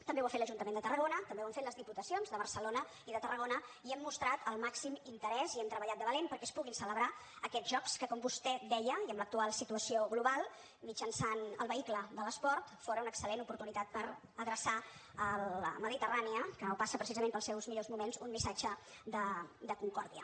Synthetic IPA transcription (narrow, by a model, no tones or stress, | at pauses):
t̪əmbewafet̪ləʒunt̪əmend̪ət̪ərəɣ̞onət̪əmbewəɱfet̪ləzðiput̪əsionzðəβəɾsəlonə | iðət̪ərəɣ̞onəiɛmːust̪ɾat̪ʰəlˠmaksimint̪əɾɛziɛmt̪ɾəβəʎat̪̚əβəlenpəɾkɛspuɣinsələβɾa | əkɛd͡zʒɔkskəkɔmbust̪ɛd̪ɛjəiəmlək̚t̪ualˠsit̪uəsioɣluβalˠ | mid͡ʒənsanə̰lˠβəikləðələspɔɾt̪foɾəunəksəlenupuɾt̪unit̪at̪̚pəɾ | əðɾəsa | ələ̰məðit̪əraniəkənopasəpɾəsizəmempəlˠsɛwzmiʎozmumenzunmisad͡ʒə | d̪əd̪əkuŋkɔɾðiə̰